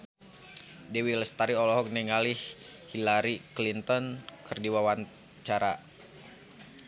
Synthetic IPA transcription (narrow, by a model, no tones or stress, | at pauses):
dɛwilɛst̪aɾiɔlɔɦɔk̚nɛŋalih | hilaɾiklint̪ɔnkʰɨrdiwawan | t͡ʃaɾa